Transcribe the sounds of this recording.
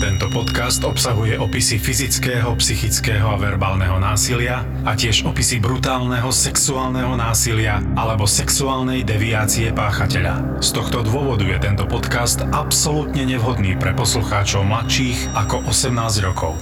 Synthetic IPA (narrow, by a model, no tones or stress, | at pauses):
t̪ɛnt̪ɔpɔt̪kast̪ɔpsaɦujɛʔɔpisifizit͡skɛːɦɔpsixit͡skɛːɦɔaʋɛɾbaːlnɛɦɔnaːsilɪa | acɪɛʒɔpisibɾut̪aːlnɛɦɔsɛksuaːlnɛɦɔnaːsilɪaalɛbɔsɛksuaːlnɛjd̪ɛʋiaːt͡siɛpaːxacɛʎa̰ | st̪ɔxt̪ɔd̪ʊɔʋɔd̪ujɛt̪ɛnt̪ɔpɔt̪kast̪apsɔlut̪ɲɛɲɛʋɦɔd̪niːpɾɛpɔsluxaːt͡ʃɔʊmlat̪ʃiːɣakɔʔɔsɛmnaːzɟɾɔkʰɔʊ